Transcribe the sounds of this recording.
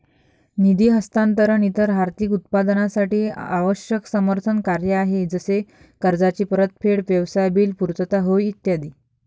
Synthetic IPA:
nid̪iːɦəst̪ant̪əɾəɳit̪əɾɦaɾt̪ikut̪̚pad̪nasaʈiːaʋəɕjəksəməɾt̪ʰənkaɾjəaɦed͡zəse | kəɾd͡zat͡ɕiːpəɾət̪̚pʰeɽʋjəʋsajbiːlpuɾt͡s̪ət̪aɦojːt̪jad̪iː

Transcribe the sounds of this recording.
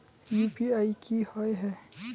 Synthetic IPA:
juːpiaːikihɔeɦɛː

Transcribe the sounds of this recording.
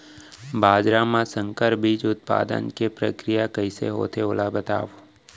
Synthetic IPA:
baːd͡ʒɾamãsə̃ŋkəɾbʱiːd͡ʒʊt̪̚pa̰ːd̪ə̰nkepɾəkɾijakəisḛɦo̰ːt̪ʰeoːlabət̪a̰ːʋo

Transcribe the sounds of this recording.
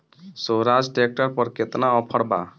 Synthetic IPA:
soɾad͡ʒʈek̚ʈəɾpəɾket̪naɔpʰəɽba̰

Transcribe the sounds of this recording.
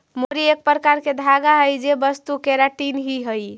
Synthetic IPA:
moɾiek̚pɾəkaɾked̪ʱaɡaɦəjd͡ʒebəst̪ukeɾaʈinɦiɦəj

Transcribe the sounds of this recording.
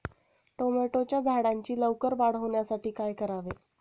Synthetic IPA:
ʈomeʈot͡ɕjad͡zʱaɽaɲt͡ɕiːləʋkəɾbaɽ̤əʋɳjasaʈiːkajkəɾaʋe

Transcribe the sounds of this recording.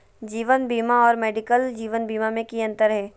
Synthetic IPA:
d͡ʒiːʋənbiːmaɔːɾmɛːɖɪkəld͡ʒiːʋənbiːmamẽkiɐ̃nt̪əɾɦɛː

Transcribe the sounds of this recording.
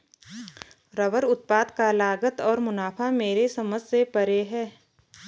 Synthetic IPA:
ɾəʋəɾʊt̪̚paːd̪kalaːɡət̪ɔːɾmʊnaːpʰameːɾesəməssepəɾeɦɛː

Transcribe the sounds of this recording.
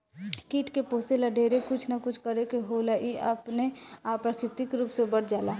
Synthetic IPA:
kiːʈkepoːselaɖʱeːɾekʊt͡ʃʰnakʊt͡ʃʰkəɾekeɦolaʔiə̰pneaːpɾakʰɪɾt̪ikɾuːpsebəɽd͡ʒaːla

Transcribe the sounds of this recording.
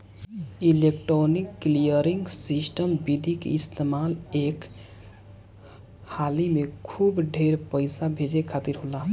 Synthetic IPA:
ilekʈɾonikːlijəɾiŋɡsisʈəmbid̪ʱikḛist̪emalek | halimekʰubɖʱeɾpəɪsabʱed͡ʒekʰat̪iɾɦola

